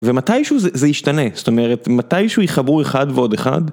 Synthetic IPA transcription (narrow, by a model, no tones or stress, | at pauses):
ve̞matajʃuzezejiʃtane̞zsto̞me̞ʁetmatajʃeujiχabueχadveo̞de̞χa̰d